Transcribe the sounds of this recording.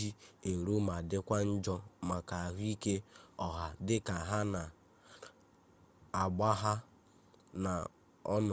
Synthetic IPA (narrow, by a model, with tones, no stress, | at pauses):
i˦e˨ɾo˦ma˨dɪ˦kʷa˦n̩˦d͡ʒɔ˦ma˨ka˨a˨ɦi˦ke˦ɔ˨ɦa˨dɪ˦ka˨ɦa˦na˨ | a˨ɡ͡ba˦ɦa˦ | na˨ | ɔ˦nɔ˨